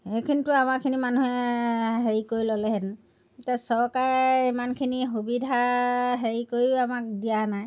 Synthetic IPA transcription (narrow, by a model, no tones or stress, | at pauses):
hejkʰinitʊamakʰinimanuɦɛɦeɹikoɹilɔlɛɦed | itiasɔɹkaɹimankʰiniɦubidʱaɦeɹikoɹiamak̚dijanaj